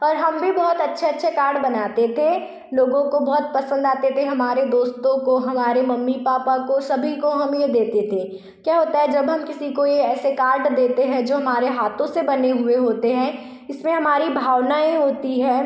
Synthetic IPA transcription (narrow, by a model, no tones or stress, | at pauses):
ɔːɾɦɐmbʱibɔɦʊt̪ɐtːʃʰetːʃʰekaːɾɖbɐnaːt̪et̪ʰe | loːɡõkobɐɦʊt̪̚pɐsə̃nd̪aːt̪et̪ʰeɦɐmaːɾed̪oːst̪õkoɦɐmaːɾemɐmːipaːpakosɐbʱikoɦɐmjed̪eːt̪et̪ʰe | kjaːɦoːt̪aɦɛd͡ʒɐbɦɐmkɪsikojeɛːsekaːɾɖd̪eːt̪eɦɛ̃d͡ʒoːɦɐmaːɾeɦaːt̪ʰõsebɐneɦʊeɦoːt̪eɦɛ̃ː | ɪsmẽɦɐmaːɾibʱaːwnaːeɦoːt̪iɦɛː